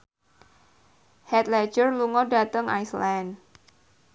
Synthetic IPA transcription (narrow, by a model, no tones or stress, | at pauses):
hɛt̪lɛ̥d͡ʒərluŋɔɖa̤t̪əŋʔa̰jslɛn